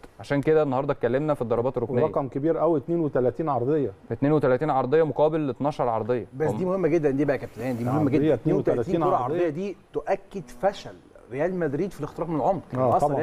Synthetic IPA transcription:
ʕaʃæːnked̪ænːɑhɑɾˤd̪ˤɑt̪̚kːælːemnæfid̪ˤːɑɾˤɑbɑːt̪erːomeɑjækɑmkebiːɾʔæwet̪neːnwet̪ælæt̪iːnʕɑɾˤd̪ˤejːfæt̪neːnwet̪ælæt̪iːnʕɑɾˤd̪ˤejːɑmoqɑːbelːet̪nɑːʃɑɾˤʕɑɾˤd̪ˤejːɑbæsd̪iːmohemːæɡed̪ːænd̪iːbæʔækæp̚t̪ælʔæːnd̪iːoemːæɡed̪t̪eːnwet̪æælæt̪iːiːnoɾɑɾʕɑɾˤdj̪ejːæd̪iːt̪oʔækːed̪fæʃæl | ɾejæːlmæd̪ɾiːd̪filext̪eɾɑːfmenelʕomɾːʔɑɑ

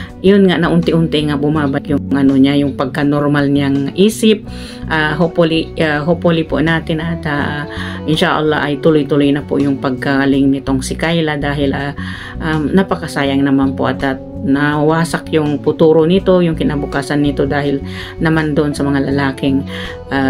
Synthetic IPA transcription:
jonŋaʔnɐʔʊnt̪ɪʔʊnt̪ɪŋɐbʊmaːbak̪jʊŋŋɐnoɲajʊŋpɐɡ̚kanoɾmalɲaŋʔiːsɪp̚ | ʔaɦopolɪaɦopolɪpo̰ʔnaːt̪ɪnʔat̪aaʔɪnʃaʔɐ̰lːa̰ʔɐjt̪ʊlojt̪ʊlojnɐpo̰jʊŋpɐɡ̚kaɡɐlɪŋnɪt̪o̞ŋsɪkajlad̪aːɦɪlʔa | ʔamnɐpɐkɐsaːjɐŋnɐmanpo̰ʔɐt̪at̪ | nawaːsakjʊŋpʊt̪uːɾonɪt̪o̞jʊŋkɪnabʊkaːsɐnːɪt̪o̞d̪aːhɪl | nɐmand̪oʔonsɐmɐŋalɐlaːkɪŋ | ʔa

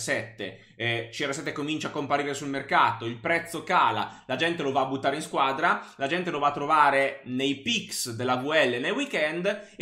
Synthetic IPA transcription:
sɛt̪ːḛ | t͡ʃiɛresɛt̪ːekomint͡ʃakːompaɾiːɾesulmerkaːt̪oilpɾɛt̪sːokaːla̰lad͡ʒɛnt̪elovaːbut̪ːaːɾeinskwaːd̪ɾalad͡ʒɛnt̪elovaːt̪ːɾovaːɾenejpiksd̪elːavuɛlːenːejwikɛnd̪

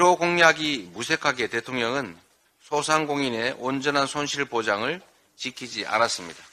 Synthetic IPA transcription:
ɾoɡoŋɲaɡimusʰe̞kʰaɡe̞te̞tʰoŋɲʌŋɯn | sʰosʰaŋɡoŋine̞ʔond͡ʑʌnɦansʰonɕʰiɭpod͡ʑaŋɯɭ | t͡ɕikʰid͡ʑiʔa̰nas͈ɯmɲid̥a

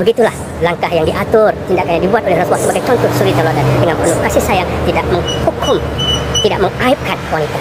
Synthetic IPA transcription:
bəɡit̪ulah | laŋkahjaŋdiʔat̪ʊrt̪indakanɲadibuat̪olɛhɾat̪wasəbaɡajt͡ʃɔnt̪ʊsuɾɪt̪̚ɲaluat̪andəŋanpənuhkasisajaŋt̪idaʔ̚məŋhukʊm | t̪idaʔ̚məŋaip̚kanwanit̪a

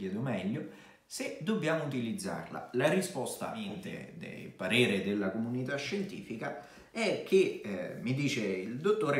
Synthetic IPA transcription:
jɛːd̪ʊmɛʎːʊ | sed̪obːjaːmʊut̪̬ilid̪zːa̰rla̰laɾispɔst̪a̰int̪ɪ̰d̪ḛpaɾeːɾɪd̪elːakomunit̪aʃːent̪ḭːfika | ɛk̟ːemːid̪iːt͡ʃeild̪ot̪ːoːɾ

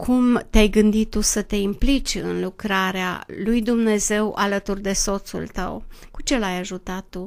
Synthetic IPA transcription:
kʰumt̪eajɡɨnd̪it̪ːusət̪e̞implit͡ʃʲɨ̰nlukɾaɾea̰lujd̪umne̞ze̞wʔa̰lət̪urd̪e̞so̞t̪sṵlt̪ə̰wkut͡ʃe̞lajaʒut̪at̪ːu

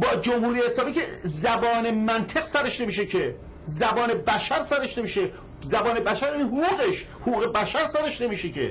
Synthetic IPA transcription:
bɒːd͡ʒomhuːɾijeeslɒːmiːcḛzæbɒːne̞mænt̪ʰeqsæɾeʃne̞miːʃ̬ecʰe | zæbɒːne̞bæʃæɾsæɾeʃne̞miːʃe | zæbɒːne̞bæʃæɾiiɦoɣuːɣeʃ | hoɣuːɣe̞bæʃæɾsæɾeʃne̞miːʃecʰḛ

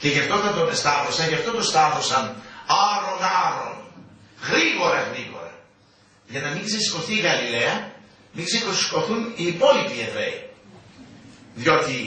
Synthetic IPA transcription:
ce̞ʝɐft̪ot̪ɐnt̪ost̪ɐθo̞sɐnʝɐft̪ot̪o̞st̪ɐθo̞sɐnɐɾo̞nɐɾo̞̰nɣɾiɣo̞ɾɐɣɾiɣo̞̰ɾɐ̰ | ʝɐnɐmiŋɡze̞si̥ko̞θiːɣɐlile̞ɐ | miɡzekosi̥ko̞θuniːpo̞lipievɾe̞̰i | ðjo̞t̪i

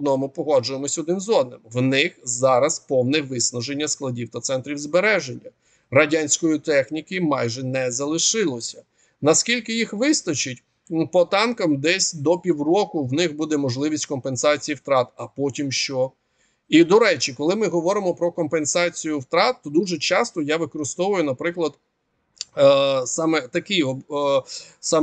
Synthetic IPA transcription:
d̪nɔmʊpɔɦɔd͡ʒʊjemɔsʲɔd̪nɪmzɔd̪nɪmwnɪxzɑɾɐspɔwnɛʋɪsnɐʒenʲːɐsklˠɐdʲiwt̪ɐt̪sɛnt̪ɾʲiwzbeɾɛʒenʲːɐ | ɾɐdʲanʲsʲkɔjit̪ɛxnʲikɪmɑjʒɛnɛzɐlˠɪʃɪlˠɔsʲɐ̥ | nɐskʲilʲkɪjixʋɪst̪ɐt͡ʃɪtʲ | pɔt̪ɑnkɐmd̪ɛsʲd̪ɔpʲiwrɔkʊwnɪxbud̪ɛmɔʒlˠɪʋʲisʲtʲkɔmpensɑt͡sʲijiwt̪ɾɑt̪ɐpɔtʲimʃt͡ʃɔ | id̪ɔɾɛt͡ʃikɔlˠɪmɪɦɔʋɔɾɪmɔpɾɔkɔmpensɑt͡sʲijʊwt̪ɾɑt̪ːɔd̪uʒɛt͡ʃɑst̪ɔjaʋɪkɔɾɪst̪ɔʋʊjʊnɐpɾɪklˠɐd̪̥ | sɑmɛt̪ɐkɪɔb | sɑ

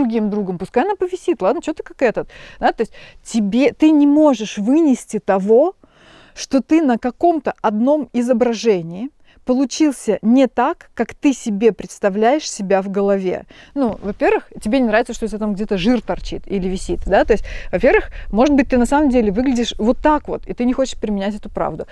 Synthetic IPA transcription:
ɾʊɡʲimd̪ɾuɡəmpʊskajɐnapəvʲɪsʲit̪lˠad̪nət͡ɕot̪ə̥kakɛt̪ət̪d̪at̪oɪsʲt̚ʲtʲɪbʲet̪ɨnʲɪmoʐɨʂvɨnʲɪsʲtʲɪt̪ɐvo̞ | ʂt̪o̞t̪ɨnəkɐko̞mt̪əɐd̪no̞mɪzəbɾɐʐɛnʲɪː | pəlˠʊt͡ɕilˠsʲənʲɪt̪akːakt̪ɨsʲɪbʲe̞pɾʲɪt̪st̪ɐvlʲæjɪʂsʲɪbʲavɡəlˠɐvʲḛnuvɐpʲe̞rvɨxtʲɪbʲenʲɪnɾavʲɪt̪səʂt̪os̬ʲt̪̬ʲat̪amɡdʲet̪əʐɨrt̪ɐrt͡ɕḭt̪ilʲɪvʲɪsʲit̪d̪at̪o̞ɪsʲt̚ʲvɐpʲe̞rvɨxmo̞ʐɨt̪̚bɨt̚ʲt̪ɨnɐsaməmdʲelʲɪvɨɡlʲɪdʲɪʂvo̞t̪ːakvo̞̰t̪it̪ɨnʲɪxo̞t͡ɕɪ̥ʂpɾʲɪmʲɪnʲætʲɛt̪ʊpɾa̰vd̪ʊ

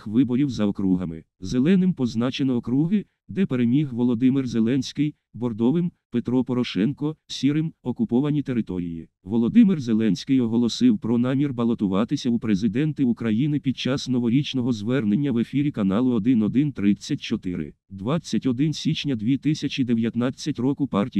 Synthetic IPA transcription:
ʋɪbɔɾʲiwzɐɔkɾuɦɐmɪ̰ | zelˠɛnɪmpɔznɑt͡ʃenɔɔkɾuɦɪ | d̪ɛpe̞ɾemʲiɦʋɔlˠɔd̪ɪmɪrzelˠɛnsʲkɪj | bɔrd̪ɔʋɪmpet̪ɾɔpɔɾɔʃɛnkɔsʲiɾɪmɔkʊpɔʋɐnʲit̪e̞ɾɪt̪ɔɾʲijḭʋɔlˠɔd̪ɪmɪrzelˠɛnʲsʲkɪjɔɦɔlˠɔsɪwpɾɔnɑmʲirbɐlˠɔt̪ʊʋɑt̪ɪsʲɐupɾezɪd̪ɛnt̪ɪukɾɐjinɪpʲid̪̚t͡ʃɑsnɔʋɔɾʲit͡ʃnɔɦɔzʋɛrnenʲːɐʋefʲiɾʲikɐnɑlˠʊɔd̪ɪnɔd̪ɪnt̪ɾɪt͡sʲːɐt̚ʲt͡ʃɔt̪ɪ̰ɾɪ̰d̪ʋɑt͡sʲːɐtʲɔd̪ɪnsʲit͡ʃnʲɐd̪ʲʋʲit̪ɪsʲɐt͡ʃʲid̪eʋʲjɐt̪nɑt͡sʲːɐtʲrɔkʊpɑrtʲi

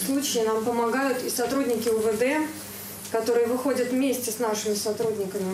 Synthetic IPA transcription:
slˠut͡ɕɪːnampəmɐɡajʊt̪ɪsɐt̪ɾudʲnʲɪkʲɪʊvəd̪ɛ | kɐt̪o̞ɾɨjəvɨxo̞dʲət̪vmʲesʲtʲɪsnaʂɨmʲɪsɐt̪ɾudʲnʲɪkəmʲɪ

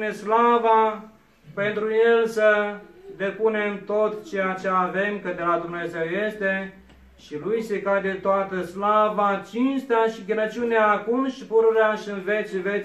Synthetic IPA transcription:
neslava | pe̞nt̪ɾuje̞lsəd̪e̞puneɨnt̪o̞t̪t͡ʃe̞jat͡ʃe̞ave̞mkəd̪elad̪umne̞ze̞wje̞st̪e̞ | ʃilujse̞kad̪e̞t̪oat̪əslavat͡ʃinst̪eaʃiɡʲenət͡ʃiuneaːkumʃipuɾuɾeaʃiɨnvet͡ʃve

